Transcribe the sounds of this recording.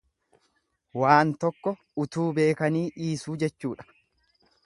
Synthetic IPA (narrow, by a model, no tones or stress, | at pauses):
waːnt̪ɔkːɔ | ʊt̪uːbe̞ːkɐniːʔiːsuːd͡ʒɛt͡ʃːuːᶑɐ̥